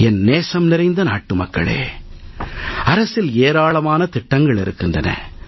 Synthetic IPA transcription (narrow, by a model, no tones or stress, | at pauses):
ɛnneːsɐmnɪɾɐɪnd̪ɐna̰ːʈːɯmɐkːɐ̰ɭḛː | ɐɾɐsɪleːɾaːɭɐmaːnɐt̪ɪʈːɐŋɡɐɭɪɾɯkːɪndrɐnɐ̰